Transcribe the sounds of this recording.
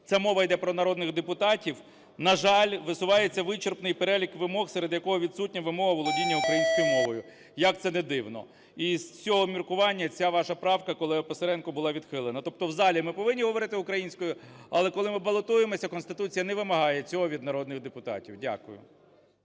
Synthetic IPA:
t͡sʲamɔʋɐjd̪ɛpɾɔnɐɾɔd̪nɪɣd̪epʊt̪ɑtʲiw | nɐʒɑlʲʋɪsʊʋɑjet͡sʲːɐʋɪt͡ʃerpnɪjpeɾɛlʲikʋɪmɔxsɛɾed̪jɐkɔɦɔʋʲid̪sutʲnʲɐʋɪmɔɦɐʋɔlˠɔdʲinʲːɐʊukɾɐjinʲsʲkɔjʊmɔʋɔjʊ | jɐk̚t̪sɛnɛd̪ɪwnɔ̰ | iz̥t͡sʲɔɦɔmʲirkʊʋɑnʲːɐt͡sʲaʋɑʃɐpɾɑwkɐkɔlˠɪpeseɾɛnkʊbʊlˠɑʋʲid̪xɪlˠɪnɐt̪ɔp̚t̪ɔwzɑlʲimɪpɔʋɪnʲːiɦɔʋɔɾɪt̪ɪʊkɾɐjinʲsʲkɔjʊɐ̰lˠɛkɔlˠɪmɪbɐlˠɔt̪ujemɔsʲɐkɔnst̪ɪt̪ut͡sʲijɐnɛʋɪmɐɦɑjɛt͡sʲɔɦɔʋʲid̪nɐɾɔd̪nɪɣd̪epʊt̪ɑ̰tʲiwdʲa̰kʊjʊ̰

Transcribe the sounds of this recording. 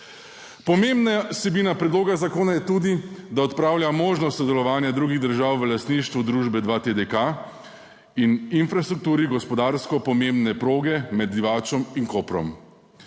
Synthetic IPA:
pɔmeːmbnasɛbiːnapɾɛd̪loːɡazakoːnajɛt̪uːd̪id̪aɔt̪pɾaːwljamoːʒnɔst̪sɔd̪ɛlɔʋaːnjad̪ɾuːɡiɣd̪əɾʒaːwʋəlast̪niʃt̪ʋud̪ɾuːʒbɛd̪ʋat̪ed̪eka | ininfɾast̪ɾuk̚t̪uːɾiɡɔspɔd̪aɾskɔpɔmembnɛpɾoːɡɛmɛd̪̚d̪iʋaːt͡ʃɔmiŋkoːpɾɔ̰m

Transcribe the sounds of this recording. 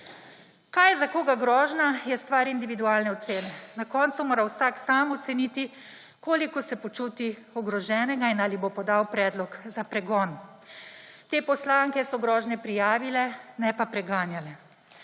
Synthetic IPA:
kajzakoːɡaɡɾɔːʒnajɛst̪ʋaːɾind̪iʋid̪uaːlnɛɔt̪seːnɛnakɔːnt̪sumoːɾawsaksaːmɔt̪sɛnit̪i | koːlikɔsɛpɔt͡ʃuːt̪i | ɔɡɾɔʒɛːnɛɡainaːlibopɔd̪awpɾɛːd̪lɔkzapɾɛɡɔːn | t̪eːpɔslaːŋkɛsɔɡɾɔːʒnɛpɾijaːʋilɛnɛpapɾɛɡaːnjalɛ

